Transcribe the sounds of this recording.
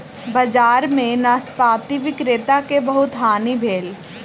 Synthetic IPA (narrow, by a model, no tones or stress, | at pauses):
bɐd͡ʒaːɾmẽnaspaːt̪iʋɪkɾeːt̪akebɐɦʊt̪ɦaːnibʱeːl